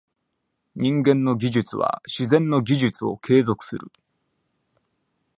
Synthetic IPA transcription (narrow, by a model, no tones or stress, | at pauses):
ɲ̟ĩŋɡẽ̞nːo̞ɡʲiʑɨt͡sɨβa̰ɕizẽ̞nnːo̞ɡʲiʑɨt͡sɨo̞̰kʰe̞ːzo̞kɯ̟̥sɨɾɯ̟